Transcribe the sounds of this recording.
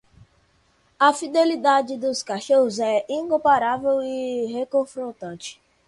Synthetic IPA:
ɐfid̪elid̪ad͡ʒɪd̪ʊskaʃoɦʊzɛĩkõpaɾavewiɦekõfɾõt̪ɐ̃t͡ʃɪ̥

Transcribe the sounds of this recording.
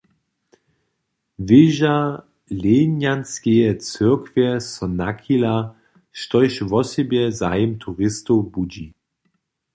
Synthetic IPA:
vɪʒa | lenjanskɛjɛt͡səɐkvjɛsɔnakʰila | ʃtɔjʃvɔsɛbjɛzaɪmt̪ʰuʁɪst̪obud͡ʑi

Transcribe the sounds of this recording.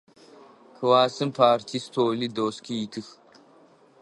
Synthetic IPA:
kʰəwaːsɨmpʰaːɾt̪ʰist̪ʰoːlid̪oːskʰiːt̪ʰɨx

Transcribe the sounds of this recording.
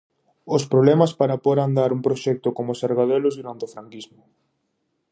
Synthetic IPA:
ʊspɾoβlɛmɐspaɾapoɾand̪aɾumpɾoʃɛk̚t̪ʊkomosaɾɣað̞ɛlʊzðuɾant̪eofɾaŋkizmʊ

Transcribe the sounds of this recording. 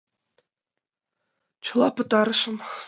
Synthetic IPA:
t͡ɕʰɤ̆lˠɑpɤ̆t̪ɑɾɤ̆ʂɤ̆m

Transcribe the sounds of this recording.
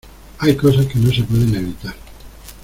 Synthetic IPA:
ajkosaskenõnsepweðeneβit̪aɾ

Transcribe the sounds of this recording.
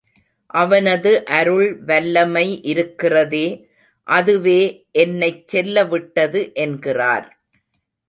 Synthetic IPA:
ʔɐʋɐnɐðɯʔɐɾɯɭʋɐlːɐmɐɪʔɪɾɯkːɪrɐðeː | ʔɐðɯʋeːʔɛnːɐɪt͡ʃsɛlːɐʋɪʈːɐðɯʔɛnɡɪra̰ːɾ

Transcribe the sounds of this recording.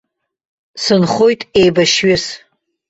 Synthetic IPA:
sɨnχojtʼejbaʃɥɪs

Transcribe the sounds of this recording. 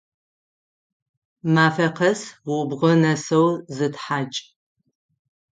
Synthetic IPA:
maːfɐqɐsʊbʁɐnɐsɐwzɨtħaːt͡ʃʼ

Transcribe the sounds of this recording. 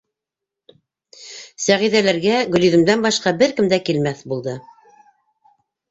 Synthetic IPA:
sæʁiðælæɾɡæɡɵ̆lĭðɘ̆md̪ænbɑʃqɑbɘɾkɘ̆md̪ækilmæθbulˠd̪ɤ

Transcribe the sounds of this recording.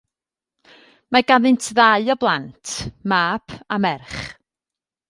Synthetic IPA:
maɡavɨntʰðaɨɔblˠantʰmaːpʰamɛrχ

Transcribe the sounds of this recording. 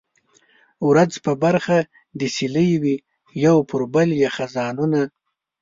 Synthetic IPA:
wɾad͡zpəbaɾxa | d̪əsiləjwi | jawpʰʊɾbaljaxazɑnuna

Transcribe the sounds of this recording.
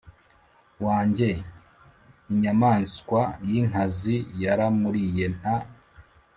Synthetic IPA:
waːɲɟe̞ | iɲamaːnskwajiŋ̥azijaɾamuɾije̞n̥a

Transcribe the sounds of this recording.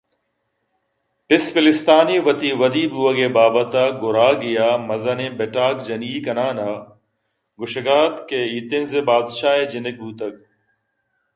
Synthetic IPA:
pɪsfɪlɪst̪aːniːʋɐt̪iʋɐd̪iːbuːɐɡeːbaːbɐt̪aɡʊɾaːɡɪjaːmɐzɐnebeʈaːkd͡ʒɐniːkɐnaːna | ɡʊʃɡaːd̪keiːt̪ɪnzebaːd̪ʃaːɦed͡ʒɪnɪk̚buːt̪ɐk̚

